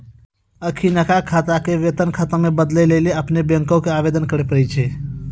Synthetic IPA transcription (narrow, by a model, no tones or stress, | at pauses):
əkʰinəkakʰat̪akeʋet̪ənkʰat̪əmebəd̪lɛleleəpnebẽŋkõkeabed̪ənkəɾɛpəɾɛt͡ʃʰɛ